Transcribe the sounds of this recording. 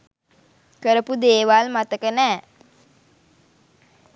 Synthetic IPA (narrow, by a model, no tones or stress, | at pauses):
kəɾəpud̪eːʋalmat̪əkənɛː